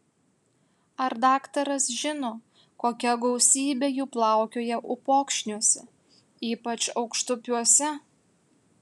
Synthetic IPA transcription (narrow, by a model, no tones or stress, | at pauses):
ɐɾd̪ɑːkt̪ɐɾɐsʒʲɪnoː | koːkʲɛɡɔʊsʲiːbʲeːjuːplˠɑˑʊkʲoːjɛʔʊpoːkʃʲnʲuɔsʲɛ | iːpɐt͡ʃɒʊkʃt̪ʊpʲuɔsʲɛ